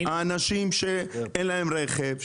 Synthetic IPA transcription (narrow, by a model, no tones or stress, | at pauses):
aːnaʃimʃeenlaemɾeχev